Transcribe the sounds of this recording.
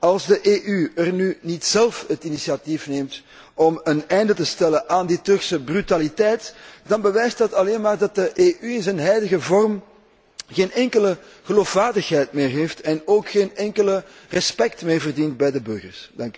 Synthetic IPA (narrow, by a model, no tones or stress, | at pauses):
ɑlˠzdəʔeːʔyərnynitsɛlˠfhətinisiatifneːmt | ɔmənɛjndətəstɛləʔaːnditɵrksəbrytalitɛjtd̥ɑnbəʋɛjsdɑtɑleːnmaːrdɑt̚dəʔeːʔyɪnzɛnɦɛjdəɣəvɔrm | ɣeːnɛŋkələ | ɣəloːfwaːrdəxɦɛjtmeːrɦeːftɛnoːkxeːnɛŋkələ | rəspɛktmeːrvərdint̚bɛjdəbɵrɣə̰rsd̥ɑŋk